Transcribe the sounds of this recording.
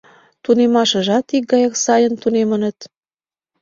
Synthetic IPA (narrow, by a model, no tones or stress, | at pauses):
t̪unemɑʃə̆ʒɑt̪ik̚ɡɑjɑksɑjənt̪unemənə̆t̪